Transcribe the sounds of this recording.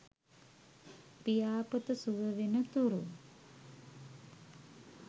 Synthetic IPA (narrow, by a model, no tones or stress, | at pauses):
pijaːpət̪əsuʋəʋenət̪uɾu